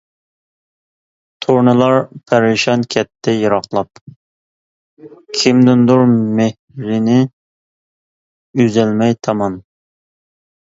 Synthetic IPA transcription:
t̪ʰoɾnɨlˠɑɾpʰæɾɪʃɑnkʲʰɛt̪ʰːɛjɑɾɑχlˠɑp | kʲʰɪmd̪ɪnd̪uɾmeh | ɾɪnɪ | yzɛlmɛjt̪ʰɑmɑn

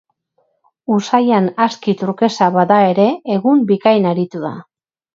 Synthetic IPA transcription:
usajanaskit̪uɾke̞saβaðae̞ɾe̞ːɣumbikajnaɾit̪uða̰

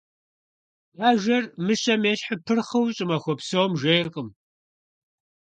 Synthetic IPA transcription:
jaːʒɐrmɨɕɐmeːɕħəpʰɨrχɐwɕʼɪmɐxʷɔpsoːmʒejrqʼəm

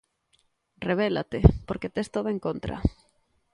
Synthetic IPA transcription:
reβ̞ela̰t̪epoɾket̪est̪oðoẽŋkont̪ɾa̰

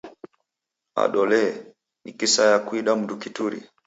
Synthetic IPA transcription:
a̰ɗɔlɛ | nikisajakuiɗam̩dukituɾḭ

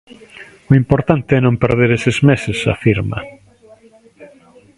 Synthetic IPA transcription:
ʊimpoɾt̪ant̪eɛnõmpeɾð̞eɾesezmesɪsa̰fiɾmɐ̰

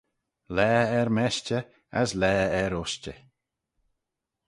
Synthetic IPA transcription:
lɛːɛɹmɛʃt͡ʃə | aslɛːɛɾʊʃt͡ʃə

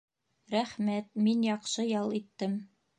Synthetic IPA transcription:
ɾæχmæt̪̚minjɑqʃɤjɑlˠit̪ːɘm

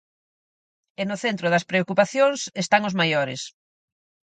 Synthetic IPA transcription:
enʊθent̪ɾʊðɐspɾeokupaθjoŋsest̪aŋozmajoɾɪ̰s

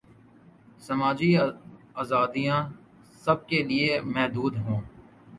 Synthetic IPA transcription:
sɐmaːd͡ʒi | aːzaːd̪ijã | sɐb̚keliemɛɦd̪uːd̪ɦõː

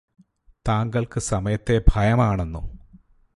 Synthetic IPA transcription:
t̪aːŋɡɐɭkɨsɐmɐjɐt̪ːe̞bʱɐjɐmaːɳenːṵ

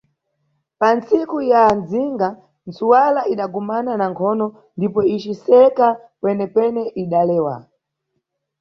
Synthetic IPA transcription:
pant͡sikujanziŋɡa | nt͡suwalaiɗaɡɔmananaŋkʰɔnɔ | ndipɔit͡ʃisɛka | kwɛnɛkwɛnɛʔiɗalɛːwa̰

